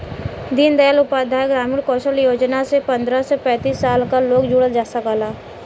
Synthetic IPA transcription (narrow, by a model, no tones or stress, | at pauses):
d̪ind̪əjalʊpaːd̪ʱaːjɡɾaːmɪɽkɔːʃəljoːd͡ʒnasepɐ̃nd̪ɾasepɛ̃ːt̪iːsːaːlkaloːɡd͡ʒʊɽəld͡ʒaːsakaːlaː